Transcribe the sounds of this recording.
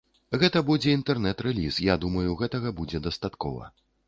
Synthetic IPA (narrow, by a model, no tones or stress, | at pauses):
ɣɛt̪ɐbud͡zʲɛint̪ɛrnɛt̪ɾɛlʲisjad̪umɐjuɣɛt̪ɐɣɐbud͡zʲɛd̪ɐst̪at̪kɔ̰vɐ̰